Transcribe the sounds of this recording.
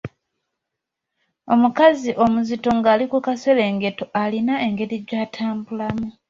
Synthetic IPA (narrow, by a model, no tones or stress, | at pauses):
o̞mukaziʔo̞muzito̞ŋɡaːlikukase̞le̞ːŋɡe̞to̞ʔalinae̞ŋɡe̞ɾiɟaːtʰaːmbulamu